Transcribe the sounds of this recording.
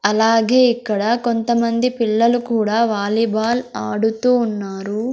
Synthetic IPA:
ɐlaːɡeːikːɐɽɐko̞nt̪ɐmɐnd̪ipiɭːɐlukuːɽaːʋaːlibʱaːlaːɽut̪uːnːaːɾu

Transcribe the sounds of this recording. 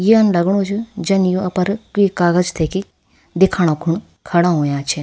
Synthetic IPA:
jiɐnlɐɡɽ̃õt͡ʃʰud͡ʒɐnjoɐpɐɾkikaːɡəd͡ʒt̪ʰeki | d̪ekʰaːɽ̃õkʰuɳ̃ | kʰɐɽaɦoːjãːt͡ʃʰe

